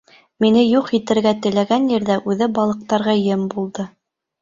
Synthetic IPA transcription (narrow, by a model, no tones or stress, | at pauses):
minɘjuqit̪ɘ̆ɾɡæt̪ɘ̆læɡænjɘ̆ɾðæʔʉðɘbɑlˠɤ̆q̚t̪ɑɾʁɑjɘmbulˠd̪ɤ